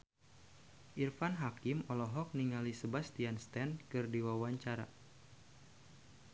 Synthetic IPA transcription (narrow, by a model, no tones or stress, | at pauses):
ʔirfanɦakimɔlɔɦɔk̚niŋalisəbast̪ianst̪ɛnkɨrdiwawaɲt͡ʃaɾa̰